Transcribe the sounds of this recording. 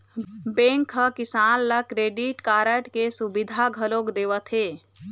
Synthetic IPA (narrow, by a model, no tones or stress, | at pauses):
bẽŋkʰəkɪsaːnlakɾeːɖiʈkaːɾəʈkesubid̪ʱaɡʱəlokd̪eːʋət̪ʰɦeː